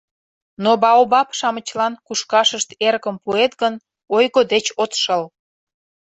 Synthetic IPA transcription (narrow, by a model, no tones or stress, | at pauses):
nobɑobɑpʃɑmət͡ɕlɑnkuʃkɑʃəʃt̪erɣəmpuet̪ɣən | ojɣod̪et͡ɕot̪ʃəl